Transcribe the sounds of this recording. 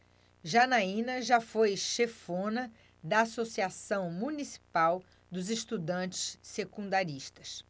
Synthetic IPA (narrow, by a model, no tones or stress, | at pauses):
ʒanaĩnɐʒafojʃefõnɐ | d̪ɐːsosiasɐ̃w̃mũnisi̥paw | d̪ʊzɪʃt̪ud̪ɐ̃t͡ʃɪ̥ssekũd̪aɾiʃt̪ɐs